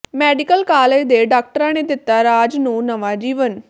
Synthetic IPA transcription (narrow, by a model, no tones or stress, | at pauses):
mɛːɖɪkəlkaːleːd͡ʒd̪eːɖaːk̚ʈəɾãːneːd̪ɪt̪ːaːɾaːd͡ʒnũːnəʋaːd͡ʒiːʋən